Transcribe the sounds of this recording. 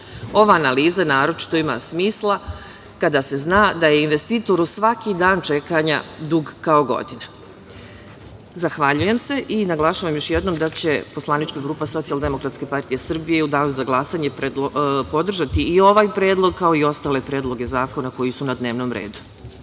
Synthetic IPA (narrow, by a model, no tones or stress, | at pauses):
o̞ʋaːnaliːzanaːɾo̞t͡ʃi̥t̪o̞ima̰smiːslˠa | kad̪ase̞znaːd̪aje̞inʋe̞st̪iːt̪o̞ɾusʋakid̪aːnt͡ʃe̞kaɲa̰d̪uɡkao̞ɡo̞̰d̪ina | zaxʋaʎuje̞mse̞ʔinaɡlˠaʃaːʋamjoʃjed̪no̞md̪at͡ɕe̞po̞slˠanit͡ʃkaɡɾuːpaso̞t̪sialˠd̪e̞mo̞kɾat̪ske̞paɾt̪ije̞sr̩bijeud̪aːjuzaɡlˠasaɲepepo̞d̪r̩ʒat̪iːo̞ʋaːjpɾe̞ːd̪lˠo̞ɡ̚kao̞io̞st̪aːle̞pɾeːd̪lˠo̞ɡe̞zaːko̞nako̞jisunad̪ne̞ʋno̞mɾḛːd̪u̥